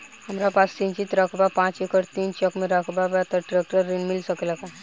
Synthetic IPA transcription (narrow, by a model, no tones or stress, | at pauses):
ɦəmɾapast̪iːnt͡ʃit̪ɾakʰbapãːt͡ʃikʰəɾt̪iːnt͡ʃəkmẽɾakʰbabat̪əʈɾek̚ʈəɾːinmɪlsəklaka